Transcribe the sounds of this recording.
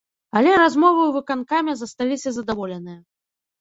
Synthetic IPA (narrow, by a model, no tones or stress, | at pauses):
ɐlʲɛɾazmɔvɨuvɨkankamʲɛzɐst̪alʲisʲɐzɐd̪avɔlʲɛnɨjɐ